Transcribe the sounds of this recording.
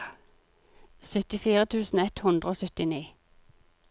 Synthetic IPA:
sœt̪ɪfiːʁət̪ʰʉːsn̩ɛt̪hʉnd̪ʁəoːsœt̪ɪniː

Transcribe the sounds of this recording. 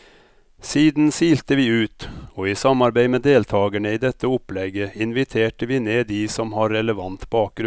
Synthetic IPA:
siːd̪n̩siːlt̪əʋiːʉːt̪oːiːsɑmɑɾbæɪmeːd̪eːlt̪ʰɑːɡəɳəiːd̪ɛt̪ːəʊplɛɡəɪnʋɪt̪ʰeːʈəʋiːneːd̪iːsɔmhɑɾːɛləʋɑnt̪bɑːk̚ɡɾ

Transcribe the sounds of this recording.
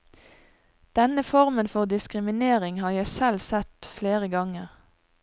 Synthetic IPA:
d̪̥ɛnəfɔʁmənfɔʁd̪ɪskʁɪmɪneːʁɪŋhɑːʁjæɪsɛlsɛt̪fleːʁəɡɑŋəʁ

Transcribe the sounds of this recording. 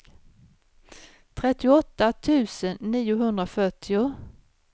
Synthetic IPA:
t̪ʰɾɛt̪ːɪʊɔt̪ːat̪ʰʉ̟ːsənːiːʊɦɵnd̪ɾafœʈʰːɪʊ

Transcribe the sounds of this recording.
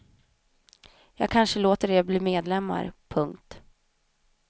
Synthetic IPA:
jɑːɡ̚kʰanʂəloːt̪əɖɛbliːmeːd̪lɛmːa̰ɾpʰɵŋk̚t̪

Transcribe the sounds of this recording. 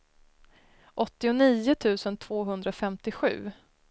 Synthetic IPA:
ʔɔt̪ːɪʊniːʊt̪ʰʉ̟ːsənt̪ʰv̥oːɦɵnd̪ɾafɛmt̪ɪɧʉ̟̰ː

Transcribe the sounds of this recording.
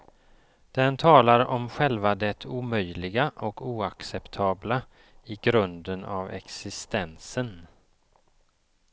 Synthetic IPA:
d̪̥ɛnt̪ʰɑːlaɾɔmɧɛlvad̪ɛt̪ʰuːmœjlɪɡaʔɔkuːaksɛpt̪ʰɑːbla | ɪɡɾɵnd̪əna̰vɛ̰ksɪst̪ɛnsən

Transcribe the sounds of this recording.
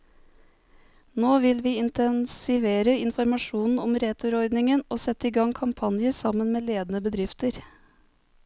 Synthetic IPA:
noːʋɪlʋiːɪnt̪ɛnsɪʋeːɾəɪnfɔɾmɑʃuːnn̩ɔmɾeːt̪ʰʊɾɔɾd̪nɪŋənʔoːsɛt̪ːəiːɡɑŋkʰɑmpʰɑnjəsɑmənmeːleːd̪ənəbəd̪ɾɪft̪əɾ

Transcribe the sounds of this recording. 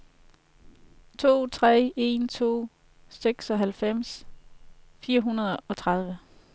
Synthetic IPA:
t͡sʰo̝̰ːt͡sʰʁɛ̰ːe̝nt͡sʰo̝̰ː | seɡ̥sɒ̽ɦælfem̰s | fiːɐɦunɐð̞ˠɒ̽t͡sʰʁɑð̞ˠʋə

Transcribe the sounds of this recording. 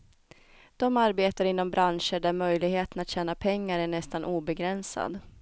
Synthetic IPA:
d̪̥ɔmaɾbeːt̪aɾɪnːɔmbɾanʂəɖæɾmœjlɪɡɦheːt̪ənat̪ɕɛːnapʰɛŋːaɾæɳɛst̪anʔuːbɛɡɾɛnsa̰d̪

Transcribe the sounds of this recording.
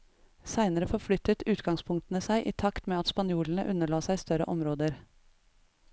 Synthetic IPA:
sæɪnəɾəfɔɾflʏt̪ət̪ʉːt̪ɡɑŋspʰʊŋk̚t̪nəsæɪʔiːt̪ʰɑkt̪meːɑt̪spɑnjuːln̩əʔʉnəɭɑːsæɪst̪œɾə̰ʔɔmɾoːd̪əɾ

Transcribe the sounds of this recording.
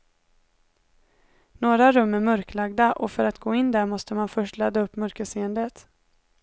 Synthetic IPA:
noːɾaɾɵmːæɾmœɾklaɡ̚d̪aʔɔfœɾat̪ɡoːɪnd̪æɾmɔst̪əmanfœʂʈlad̪ːaɵpːmœɾkəseːənd̪ət̪

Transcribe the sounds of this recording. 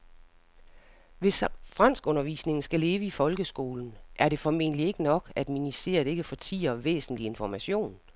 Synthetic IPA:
ʋe̝sfʁɑn̰sɡ̥ɔ̽nɐʋḭːsne̝ŋn̩sɡ̥æle̝ːʋəifɒ̽lɡ̥əsɡ̥o̝̰ːln̩ʔæɐɾ̥e̝fɒme̝̰nlie̝ɡ̥ənɒ̽ɡ̥æd̥minise̝̰ːɐd̥e̝ɡ̥əfɒ̽t͡sʰḭːɐʋḛːsn̩lie̝nfɒmæɕo̝̰ːn

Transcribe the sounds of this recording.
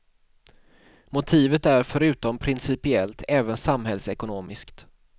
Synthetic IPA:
mʊt̪ʰiːvət̪æɾfœɾʉ̟ːt̪ɔmpʰɾɪnsɪpɪɛlt̪ʰɛːvənsamhɛlsɛkʊnoːmɪskt̪

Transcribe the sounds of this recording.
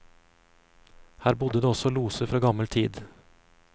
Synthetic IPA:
hæːɾbʊd̪əd̪eːɔsɔluːsəfɾoːɡɑməlt̪ʰiːd̪

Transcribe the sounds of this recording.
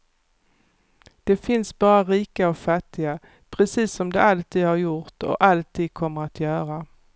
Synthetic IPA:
d̪̥ɛfɪnsbɑːɾaɾiːkaɔfat̪ːɪɡa | pʰɾɛsiːsːɔmd̪ɛalt̪ʰiːd̪haɾjʊɾt̪ɔ̰ʔalt̪ʰiːd̪̚kʰɔmːəɾat̪jœːɾa

